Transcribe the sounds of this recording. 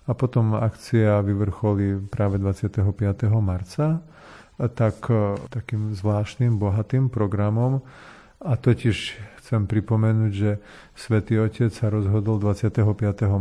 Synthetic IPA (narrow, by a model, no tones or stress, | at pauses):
apɔt̪ɔmakt͡siaʋiʋr̩xɔlipɾaːʋɛd̪ʋat͡sɪat̪ɛɦɔpɪat̪ɛɦɔmaɾt͡sa | t̪akt̪akiːmzʋlaːʃnimbɔɦat̪iːmpɾɔɡɾamɔm | at̪ɔciʃxt͡sɛmpɾipɔmɛnuːɟʒɛ | sʋɛt̪iːɔcɛt͡ssaɾɔzɦɔd̪ɔld̪ʋat͡sɪat̪ɛɦɔpɪat̪ɛɦɔ